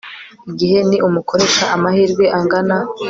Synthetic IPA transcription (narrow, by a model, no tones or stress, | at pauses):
iɡiɦe̞niʔumuko̞ɾekaʔamahiːɾɡweʔaŋɡana